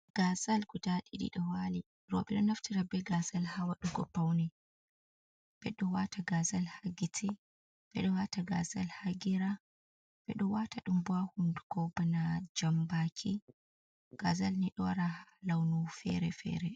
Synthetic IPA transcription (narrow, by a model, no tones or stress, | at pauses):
ɡ̥azalkutaɗiɗḭɗɔwali | ɾɔ̰ɓɛɗɔnaftiɾabɛɡazalhawaɗɔɡɔpːawnɛ | b̥ɛɗɔwataɡazalhaɡitʰi | b̥ɛ̰ɗɔhataɡazalhaɡiɾa | b̥ɛ̰ɗɔwataɗumbuahunduɡɔbanad͡ʒambakʰi | ɡ̥azalniɗɔɾahlawnufɛ̰ɾɛfɛ̰ɾɛ